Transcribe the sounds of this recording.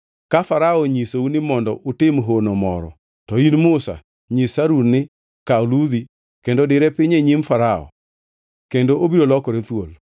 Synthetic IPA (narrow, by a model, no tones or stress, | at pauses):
kafaɾaɔɲisounɪmɔndɔʔʊtɪmɦonomɔ̰ɾɔ̰ | tɔinmʊsa̰ | ɲisaɾunɪ | kalud̪i | kendodɪɾɛpɪɲeɲimfaɾaɔ̰ | kendoʔobiɾolɔkɔɾet̪wo̰l